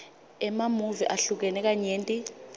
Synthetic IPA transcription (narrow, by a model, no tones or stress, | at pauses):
ɛmamuviʔaɬuk̬ɛnɛk̬ʼaɲeːntʼi